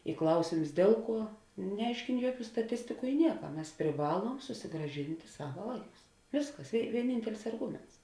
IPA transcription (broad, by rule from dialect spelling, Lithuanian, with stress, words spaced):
ɪ ˈklˠɐʊsʲeːms ˈdʲeːlˠ ˌkuɔ nʲɛˈɐɪʃʲkʲeːn ˈjuɔˌkʲuː stɐˈtʲɪsʲtʲɪkʊ ɪ ˈnʲiɛkɐ ˈmʲɛs pʲrʲɪˈʋɑːlˠuɔm sʊsʲɪɡrɐˈʒʲɪnʲtʲɪ ˈsɑːʋɐ ˈʋɐɪˌkʊs ˈʋʲeːsˌkɐs ɪ ʋʲiɛˈnʲiːnʲtʲɛlʲɪs ɐrˈɡʊmʲɛnts